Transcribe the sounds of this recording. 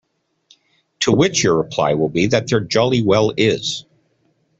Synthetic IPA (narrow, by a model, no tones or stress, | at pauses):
tʰəwɪt͡ʃjə˞ɹəpʰl̥a̰ɪwɪlˠbiðɨt̪̚ðə˞d͡ʒɑlˠiwɛlˠɪz̥